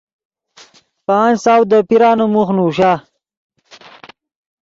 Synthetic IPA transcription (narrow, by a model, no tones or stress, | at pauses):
pansaːwd̪əpiɾaːnomuxnuːɕaː